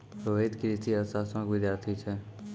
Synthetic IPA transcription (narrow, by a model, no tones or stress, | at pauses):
pɾoʋed̪kɾit̪ʰiəsaːsə̃mkʋɪd̪jaːɾt̪ʰit͡ʃʰɛː